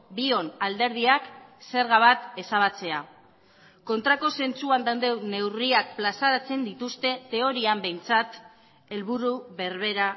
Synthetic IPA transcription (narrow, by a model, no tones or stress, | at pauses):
bio̞nald̪e̞ɾð̞iakse̞ɾɣaβ̞at̪e̞saβat͡se̞a | ko̞nt̪ɾako̞se̞nt͡suand̪and̪e̞wne̞wriak̚plasaɾat͡se̞nd̪it̪ust̪e̞t̪e̞o̞ɾiambe̞jnt͡sat̪ | e̞lβuɾuβe̞ɾβ̞e̞ɾa